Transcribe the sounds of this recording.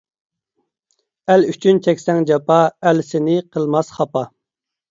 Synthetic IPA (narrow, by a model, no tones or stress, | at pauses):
ælyt͡ʃʰynt͡ʃʰɛkʲsɛŋd͡ʒɑpɑælsɪnɪqʰəlˠmɑsχɑpɑ